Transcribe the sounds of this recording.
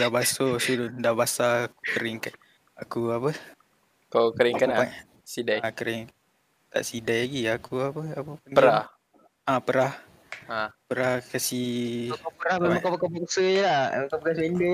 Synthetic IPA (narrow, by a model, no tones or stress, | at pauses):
dabasosudndabasaku̥kəɾɪŋkan | akuapə | kakəɾɪŋkaaa | sidajkəɾɪŋ | t̪a̰ʔsidajaɡiakuapəapəpənəɾah | apəɾah | apəɾahkasikopəɾahmemaŋkopkapəksəjlakapəkas̬ində